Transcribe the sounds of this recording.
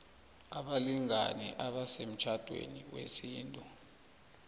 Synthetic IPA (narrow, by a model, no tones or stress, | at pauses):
aɓaliŋanɛʔaɓasem̩t͡ʃʰad̥ʱwḛniwḛsiːntʼu